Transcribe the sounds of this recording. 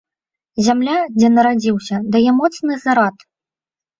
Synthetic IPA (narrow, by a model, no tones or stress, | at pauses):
zʲamlʲad͡zʲɛnɐɾad͡zʲiwsʲɐd̪ajɛmɔt̪snɨzaɾat̪